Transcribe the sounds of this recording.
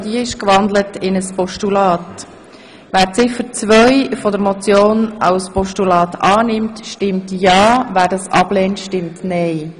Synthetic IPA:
d̥iəɪʃkʋɑnd̪lətɪnəspɔʃtulɑːt | ʋæːɾt͡sɪfət͡sʋœʏfɔdəɾmɔt͡sjoːnɑ̰ʊspɔʃtulɑːtʰɑːnɪmtʃtɪmtjɑːvæːɾdɑsʔɑb̥lɛːntʃtɪmtnɛɪ

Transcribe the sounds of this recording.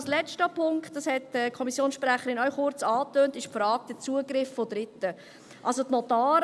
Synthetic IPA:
slɛt͡ʃtəpʰʊŋktdɑshɛtɛkʰɔmisjoːnsʃpɾæχəɾɪnœɥχʊɾt͡sɑːtøːntɪʃpfɾɑːɡ̥̚d̪̥ət͡suəɡɾɪffɔdɾɪtːə | ʔɑlsot̪nɔtɑːɾ

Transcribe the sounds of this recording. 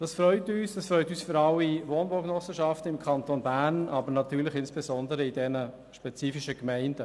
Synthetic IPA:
d̥ɑsfɾœʏtyːsd̥ɑsfɾœʏtyːsfʏɾɑlːiʋoːnbɔknɔsːəʃɑftəɪmkʰɑntoːnbæːnʔɑbəɾnɑtyːlɪχɪnsb̥ɛzɔndəɾəidɛnə | ʃpɛt͡siːfiʃəkmɛɪndə

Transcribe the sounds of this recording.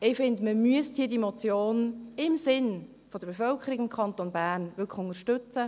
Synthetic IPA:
ɪfɪndməmyəsthiːədimot͡sjoːnɪmsɪn | fɔd̥̪əɾb̥efœlkʰəɾiɡɪmkʰχɑnt̪onbæːrnvʏkʰχʊŋəʃtʏt͡sə

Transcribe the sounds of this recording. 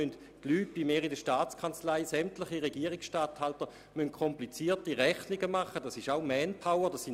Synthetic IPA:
ynt | tlyːt̚b̥imeːʁidəʃtaːt͡skʰant͡slaɪsɛmtlɪχiʁeɡiəʁɪksʃtaːthaltə | mynt̚kʰɔmplit͡siːɐtiʁɛχniɡəmaχːədasɪʃaʊmɛnpʰawəd̥asin

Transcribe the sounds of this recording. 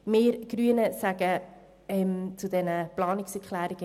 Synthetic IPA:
meːɾɡ̥ɾyənəsæɡ̥ə | ɛmt͡sudɛnəplɑːnɪksɛkχlæːɾɪɡ̥ə

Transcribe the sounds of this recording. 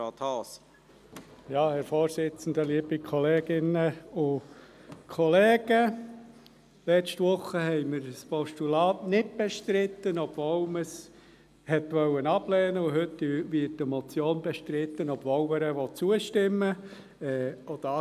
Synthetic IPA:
ɑːt̪hɑːs | jɑːhɛɾfoːɾsɪt͡sn̩d̪əliəbikʰɔleːɡ̥ɪnəʊ | kʰɔlɛːɡ̥ə | lɛt͡ʃtʋʊχːəhɛɪməɾspɔʃtulɑːtnɪd̚b̥ɛʃtɾɪt̪ːənɔb̥voːlməs | hɛt̪ʋœwːənɑb̥lɛːnəʊɦɵtːyʋɪətːəmɔt͡sjoːnbɛʃtɾɪt̪ːənɔb̥voʊməɾəʋɔt͡suəʃtɪmːə | ɛːɔd̥̪ɑː

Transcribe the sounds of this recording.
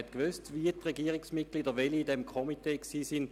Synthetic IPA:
ɛt̪kʋøstʋiətʁeɡiəʁiksmit̚ɡ̥liːdəʋeliːdɛmkʰomiteːksiːsin

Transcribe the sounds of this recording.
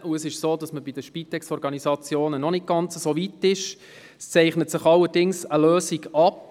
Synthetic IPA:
ʔuəsɪʃsoːdɑsməbid̥əʃpit̪ɛksɔɾɡɑnisɑt͡sjoːnənɔnɪt̚ɡ̥ɑnt͡səsoːʋitːɪʃ | st͡sɛɪχnətsɪχɑlːəɾdɪŋsəløːsiɡɑp

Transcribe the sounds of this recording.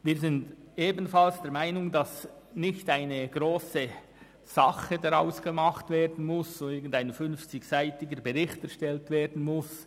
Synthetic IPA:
viːɐɾzɪnd | eːbn̩fɑlsd̥ɛɾmaɪnʊŋdɑs | nɪçtaɪnəɡ̥ɾoːsə | z̥ɑχədaʁɑʊsɡ̥əmɑχtv̥eːɾdn̩mʊssoɪɾɡən̩daɪnfʏnft͡sɪçsaɪtɪɡəɾbəʁɪçtɛɾʃtɛltveːɾdn̩mʊs

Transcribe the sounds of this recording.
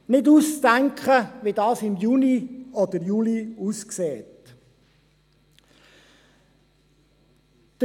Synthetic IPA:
nɪduːst͡stæŋkχəʋidɑːsɪmjuniɔd̪əɾjuːliusksɛːt | d̪̥ə

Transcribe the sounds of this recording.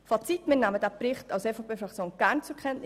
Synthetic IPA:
fɑt͡sitmɪnnaːməd̥æprɪχtɑʊsefopʰeːfɾɑkt͡sjoːnɡ̥æɾnt͡sukʰɛntn

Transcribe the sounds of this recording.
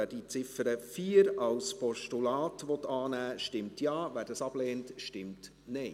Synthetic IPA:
æːd̥it͡sɪfəɾəfiːɾɑwspɔʃtulɑːtʋɔtɑːnæːʃtɪmtjɑːʋæːɾd̥ɑsɑb̥lɛːntʃtɪmt | nɛɪ

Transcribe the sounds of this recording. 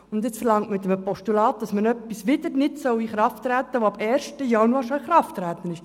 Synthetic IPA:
ʊndɪt͡sfəɾlɑŋtmɪt̪əmpɔʃtulɑːt̚d̥ɑsmənœpːisʋɪdəɾnɪtsœwiχɾɑftɾæːt̪ːəʋoɑbɛːɾʃtəjɑnuɑːɾʃoiχɾɑftːɾæːt̪ənɪʃ

